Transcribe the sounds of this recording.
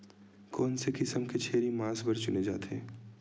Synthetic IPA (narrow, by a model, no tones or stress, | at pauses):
kɔːnsekɪsəmket͡ʃʰeːɾimãːsbɐɾt͡ʃʊned͡ʒa̰ːt̪ɛ̰̃ː